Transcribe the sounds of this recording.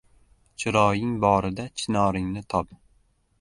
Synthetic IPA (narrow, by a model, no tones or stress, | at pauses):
t͡ʃʰɪɾɒjɪŋbɒɾɪd̪at͡ʃʰɪnɒɾɪŋnɪt̪ʰɒp